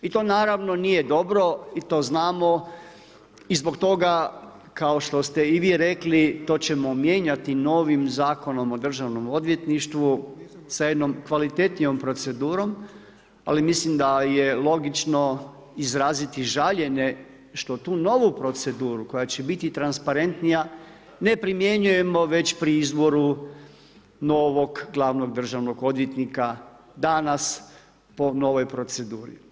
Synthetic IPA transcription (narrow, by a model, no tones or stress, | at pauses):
it̪o̞ːnaːɾaʋno̞nije̞d̪o̞bɾo̞it̪o̞ːznaːmo̞ | izbo̞kt̪o̞ɡa | kaoʃt̪o̞st̪e̞iʋiːɾeklit̪o̞ːt͡ɕe̞momjeːɲat̪ino̞ːʋimzaːko̞no̞mo̞d̪r̩ʒaʋno̞mo̞d̪ʋje̞t̪niʃt̪ʋu | sajed̪no̞mkʋalit̪e̞t̪nijo̞mpɾo̞t̪se̞d̪uːɾo̞m | a̰limislimd̪ajelˠo̞ɡit͡ʃno̞ | izɾaːzit̪iʒaʎe̞ne̞ | ʃt̪o̞t̪uːno̞ʋupɾo̞t̪se̞d̪uːɾuko̞jat͡ɕe̞bit̪it̪ɾanspaɾe̞nt̪nija | ne̞pɾimje̞ɲuje̞mo̞ʋe̞t͡ɕpɾiizbo̞ɾu | no̞ʋo̞ɡɡlˠaʋno̞ɡ̚d̪r̩ʒaʋno̞ɡo̞d̪jet̪nika | d̪anas | po̞no̞ʋo̞jpɾo̞t̪se̞d̪uːɾḭ